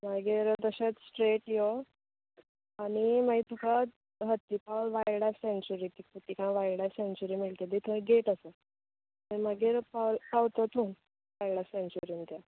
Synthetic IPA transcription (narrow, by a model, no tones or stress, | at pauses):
maɡiːɾd̪əɕat͡s̪sʈɾeʈjo | aɽimait̪ukʰa | ɦət̪ːipawlʋajɽasent͡ɕuɾit̪ikput̪ːikãʋajɽasent͡ɕuɾimiɭt̪ed̪it̪ʰə̃ɡeʈəsə | t̪əməɡiːɾpawlpawt̪ət̪ʰuːn | ʋajɽasẽnt͡ɕuɾint̪ja